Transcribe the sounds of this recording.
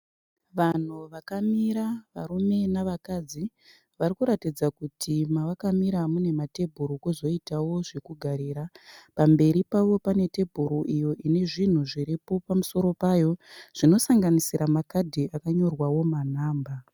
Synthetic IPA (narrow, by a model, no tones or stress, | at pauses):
ʋan̤uʋakamiɾaʋa̰ɾume̞naʋakad͡zi | ʋaɾikuɾatid͡zakutʰimaʋakamiɾamune̞mate̞bʱuɾukuzo̞itawo̞ʐekuɡʱaɾeːɾapambe̞ɾipaʋo̞pane̞te̞bʱuɾuʔijo̞ʔine̞ʐin̤uʐiɾipo̞pamuso̞ɾo̞paːjo̞ʐ̥ino̞saŋɡanisiɾamakadʱiakaɲo̞rwawo̞man̤aːmba